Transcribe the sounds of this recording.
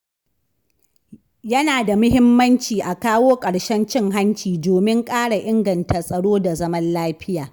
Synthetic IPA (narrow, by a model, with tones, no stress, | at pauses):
jɐ˦naː˨da˨mʊ˦hɪ˦mːɐ˦nt͡ʃiː˨ʔa˨kaː˦woː˦kʼɐ˨ɽʃɛ˦nt͡ʃɪ˦ŋɦa˦nt͡ʃiː˨doː˨mɪ˦ŋkʼaː˦ɽa˨ʔɪ˦ŋɡɐ˨nta˨sʼɐ˨ɽoː˦da˨zɐ˦mɐ˦nlaː˦ɸɪ˦jaː˨